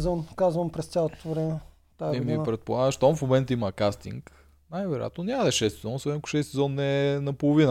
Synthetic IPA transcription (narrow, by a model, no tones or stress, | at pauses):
zvənkazvəmpɾɛst̪sʲalˠot̪ʊ̥t̪voɾɛnʲɛ | t̪aimipɾɛt̪̚polˠaɡəʃt̪ɔmfmomɛnt̪əiməkast̪ḭŋk | najvɛɾoja̰t̪nonʲaməd̪ɛʃɛst̪sɛzɔnsɛkʊ̥ʃɛst̪sɛzɔnːɛnɐpolˠovinə